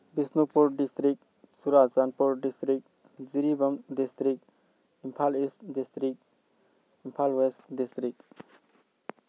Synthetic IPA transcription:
bisnupuɾɖistɾik̚ | suɾazzanpuɾɖistɾik̚ | ziɾibəmdistɾik̚ | impʰalistdistɾik̚ | impʰalwestdistɾik̚

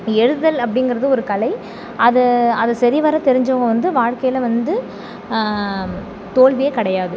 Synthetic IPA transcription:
ɛɻɯðɐlɐpːɐɽɪnɡɪɾɐðɯɔɾɯkɐɭɐɪ | ɐðɯɐðɐsɐɾiʋɐɾɐt̪ɛɾɪɲd͡ʒoːŋɡɐʋɐnd̪ɯʋaːɻkɐjɪlɐʋɐnd̪ɯ | t̪oːɭʋɪjekɐɽɐjaːðɯ

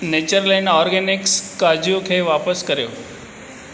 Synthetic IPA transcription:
neːt͡ɕəɾlaːɪnɔːɾɡenɪkskaːd͡ʑʱjokʰeːʋaːpəskɐɾijo̰ː

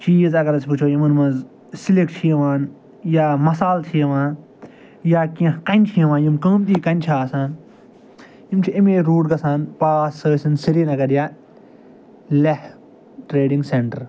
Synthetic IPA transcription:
t͡ʃiːzɐɡɐɾɐsʲput͡ʃʰoːjimɨnmɐz | silek̚t͡ʃʰijɐʋaːn | jaːmɐsaːlt̪ʰijɐʋãːn | jaːkiɐ̃kɐnʲt͡ʃʰijɐʋãːnjimkəːmt̪iːkɐnʲt͡ʃʰaːsaːn | imt͡ʃʰiimeːɾuːɖɡɐsaːnpaːsəːsinsiɾinɐɡɐɾjaː | lɐh | ʈɾeːɖiŋɡseɳʈɐɾ

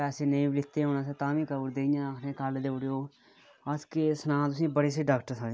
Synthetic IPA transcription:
ɛːseːnəĩːbɪlɪt̪ːeːɦoːnãːs̬eːt̪ãːʋĩːkəbuɾd̪eːijãːkʰnẽːkald̪eːʊɽjoː | əd͡ʒkeːsənãːt̪ʊsĩːbəɽeːs̬eːɖaːkʈəɾsãːe

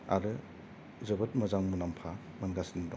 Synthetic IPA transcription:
a̰ɾɯ | zɯbɯt̚mɐzaŋmunampʰa | mɐnɡasindɔ

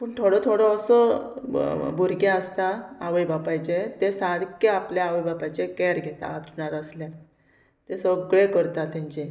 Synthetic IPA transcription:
pəɳt̪ʰoɽɔt̪ʰoɽɔəsɔ | bʱuɾɡjaəst̪aaʋəjbapaɦjd͡ʑet̪esad̪keapljaaʋəjbapajt͡ɕekɛɾɡʱet̪a̰ːd̪ɾɳaɾəslja | t̪esəɡɭẽkəɾt̪at̪ãɲt͡ɕe

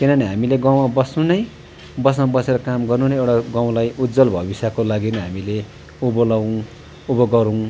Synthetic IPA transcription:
kinʌniɦamileɡaw̃mabʌsnũnʌj | bʌs̬mabʌseɾʌkamɡʌrnunʌewʈaɡãw̃lajud̪d͡zʌlbʱʌ̰bisjakolaɡinʌɦamile | ubolaw̃ | ubʌɡʌɾuw̃

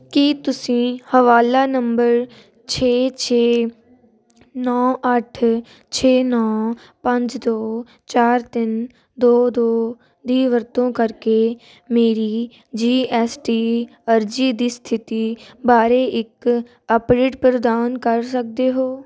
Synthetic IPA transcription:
kit̪ʊsĩːhəʋaːlaːnəmbəɾ | t͡ʃʰeːt͡ʃʰeː | nɔːʔəʈʰ | t͡ʃʰeːnɔː | pə̃ɲd͡ʒd̪oː | t͡ʃaːɾt̪ɪn | d̪oːd̪oː | d̪iːʋəɾt̪õːkəɾkeː | meːɾiː | d͡ʒiːɛːsʈiː | əɾd͡ʒiːd̪iːst̪ʰɪt̪iːbaːɾeːʔɪk | əpɾeːʈ̚pɾəd̪aːnkəɾsək̚d̪eːɦoː

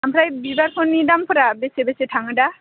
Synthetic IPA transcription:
amɾajbibaɾpʰɔnːidampʰɔɾabesebeseʈʰaŋəɖa

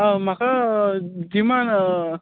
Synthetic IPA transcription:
maka | d͡ʒiman

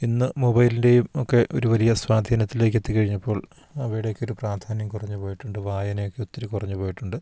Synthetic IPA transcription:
inːɨmobɐjlinde̞jumokːe̞ʔo̞̰ɾuʋɐlijɐswaːd̪ʱiːnɐt̪ːile̞ːkːet̪ːikɐɻiɲːɐpːo̞ːɭ | ɐʋiːɽejokːo̞ɾupraːd̪ʱaːnjɐmkurɐɲːupoːjiʈːuɳɖɨʋaːjɐnɐjokːe̞ot̪ːiɾukurɐɲːupoːjiʈːuɳɖɨ

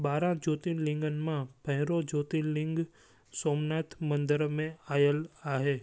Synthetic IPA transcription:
baːɾãd͡ʒoːt̪ilɪ̃ŋɡənmãpʰɐɦɪɾod͡ʒoːt̪ilɪ̃ŋɡ | soːmnaːt̪ʰmə̃nd̪əɾmẽaːjəlaːɦeː

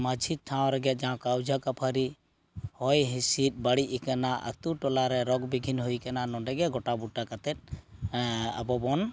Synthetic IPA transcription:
mad͡ʒʱit̪̚ʈʰaw̃ɾɛɡɛt̪̚d͡ʒaw̃kawd͡ʒʱakapʰaɾi | hɔjɦisit̪̚ˀbaɽiikanaʔa̰t̪uʈɔlaɾɛɾɔɡbiɡʱinɦujkananɔɳɖɛɡɛɡɔʈabuʈːakat̪ɛt̪̚ | a̰bɔbɔn

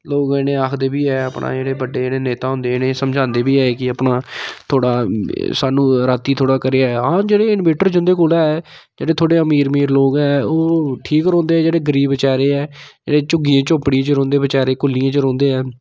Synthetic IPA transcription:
loːɡnẽːaːkʰd̪eːbiːɛːəpɳʔa̰ːd͡ʒeːɽeːbəɖeːeːneːneːt̪aːɦʊ̃nd̪eːɪneːsəmd͡ʒʱãːnd̪eːbiːɛːeːkɪəpnaːt̪ʰoːɽaːsaːnũːɾaːt̪iːt̪ʰoːɽaːkəɾeːaɦãːd͡ʒeːɽeːɪnbeːʈəɾd͡ʒʊ̃nd̪eːkʊlaːɛː | d͡ʒḛːɽeːt̪ʰoːɽeːəmiːɾmiːɾloːɡɛːoːʈʰiːkɾɔ̃ːnd̪eːɛːd͡ʒeːɽeːɡəɾiːbət͡ʃaːɾeːɛːd͡ʒḛːɽeːt͡ʃʊɡiːãːt͡ʃopɽĩːt͡ʃəɾɔ̃ːnd̪eːʋət͡ʃaːɾeːkʊlijãːt͡ʃəɾɔ̃ːnd̪eːɛː

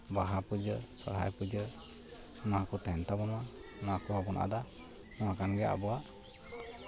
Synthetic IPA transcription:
baɦapud͡ʒəsɔ̰ɾɦa̰jpud͡ʒə | naakɔt̪ɛnt̪abɔnɔanaakɔhabɔnʔa̰d̪a | nɔakanɡɛa̰bɔaʔ

